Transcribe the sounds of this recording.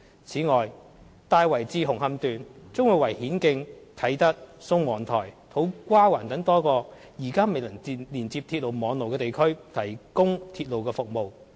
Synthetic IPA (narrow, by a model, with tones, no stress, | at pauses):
t͡sʰiː˨˥ŋɔː˨j | t̪aː˧jwɐ˨˩jt͡siː˧ɦʊ˨˩ŋɦɐ˧mt̪yː˨nt͡sʊ˥ŋwuː˨˧jwɐ˨˩jhiː˨˥nkɪ˧ŋt̪ʰɐ˨˥jt̪ɐ˥t̚sʊ˥ŋwɔː˨˩ŋt̪ʰɔː˨˩jt̪ʰo˨˥wkʷaː˥waː˨˩nt̪ɐ˨˥ŋt̪ɔː˥kɔː˧ | jiː˨˩kaː˥me˨jlɐ˨˩ŋi˧liː˨˩nt͡siː˧p̚t̪ʰiː˧t̚lo˨wmɔː˨˥ŋlo˨wkɛː˧t̪e˨jkʰɵ˥ɥt̪ʰɐ˨˩jkʊ˥ŋt̪ʰiː˧t̚lo˨wkɛː˧fʊ˨k̚mo˨w